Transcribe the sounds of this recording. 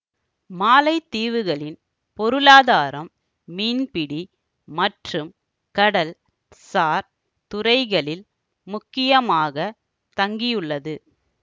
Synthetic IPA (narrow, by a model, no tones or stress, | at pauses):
maːlɐɪt̪ːiːʋɯɣɐɭɪn | pɔɾɯlaːðaːɾɐmː | iːnpɪɽi | mɐʈrɯm | kɐɽɐl | saːɾ | t̪ʊɾɐɪɣɐɭɪl | mʊkːɪjɐmaːɣɐ | t̪ɐŋɡɪjɯɭːɐðɯ